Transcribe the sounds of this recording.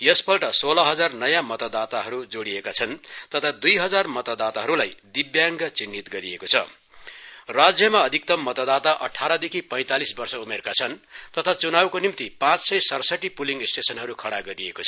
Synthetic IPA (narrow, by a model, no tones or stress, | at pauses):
jʌspʰʌlʈʌsolʌɦʌd͡zarnʌjamʌt̪ʌd̪at̪aɦʌɾud͡zoɽiekat͡sʰʌnt̪ʌt̪ʰad̪ujɦʌd͡zarmʌt̪ʌd̪at̪aɦʌɾulajd̪ibjaŋɡʌt͡sinːit̪ɡʌɾijekot͡sʰʌ̰ | rad͡zjʌmaʌd̪ʱik̚t̪ʌmːʌt̪ʌd̪at̪aʔʌ̰ʈʰaɾʌd̪ekʰipʌj̃t̪alisbʌrsʌumerkat͡sʰʌnt̪ʌt̪ʰat͡sunawkonimt̪ipãt͡ssʌjsʌrsʌʈːipuliŋɡisʈesʌnɦʌɾukʰʌɽaɡʌɾijekot͡sʰʌ